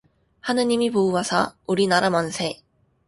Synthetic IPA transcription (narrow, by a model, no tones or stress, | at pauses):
hanɯɲimʲibɯːasa̰ɯɾʲinaɾamãnsej